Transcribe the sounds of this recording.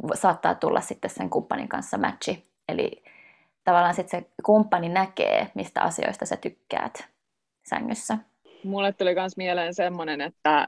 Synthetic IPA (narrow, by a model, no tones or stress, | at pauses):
sɑːt̪ːɑ̰ːt̪ulːʔɑssit̪ːesseŋkumpːɑnḭŋkɑ̰nsːɑmæt̪t͡ʃi | elḭ | t̪ɑʋɑlːɑːnsit̪sekumpːɑninækḛːmist̪æ̰ʔɑ̰sio̰ist̪ɑsæt̪ykːæ̰ːt̪ | sæ̰ŋːøsːæ | mulːet̪t̪ːulikɑnsmieleːnsemːonenet̪ːæ